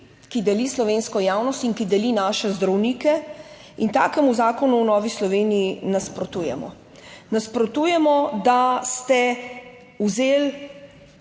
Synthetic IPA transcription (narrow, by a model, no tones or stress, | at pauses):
kid̪ɛlislɔʋeːnskɔjaːwnɔst̪iŋkid̪ɛlinaːʃɛzd̪ɾɐwniːkɛ | int̪a̰ːkɛmuzaːkɔnuːnɔːʋislɔʋeːnijinaspɾɔt̪uːjɛ̰mɔ̰ | naspɾɔt̪uːjɛmɔd̪ast̪ɛ | uzeːl